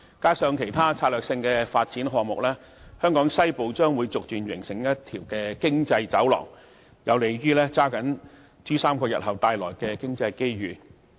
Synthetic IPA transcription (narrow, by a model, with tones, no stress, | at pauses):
kaː˥sœː˧ŋkʰe˨˩jt̪ʰaː˥t͡sʰaː˧t̚lœː˨k̚sɪ˧ŋkɛː˧faː˧t̚t͡siː˨˥nɦɔː˨ŋmʊ˨k̚lɛː˥ | hœː˥ŋkɔː˨˥ŋsɐ˥jpo˨˧wt͡ʃœː˥ŋwu˨˧jt͡sʊ˨k̚t̪yː˨˩nɥɪ˨˩ŋsɪ˨˩ŋjɐ˥tt̪ʰiː˨˩wkɛː˧kɪ˥ŋt͡sɐ˧jt͡sɐ˨˥wlɔ̰ː˨˩ŋ | jɐ˨˧wle˨˩jɥyː˥lɛː˥t͡saː˥kɐ˨˥n | t͡ʃyː˥saː˥mkɔː˧jɐ̰˨t̚ɦɐ˨wt̪aː˧jlɔː˨˩jkɛː˧kɪ˥ŋt͡sɐ˧jke˥jɥyː˨˩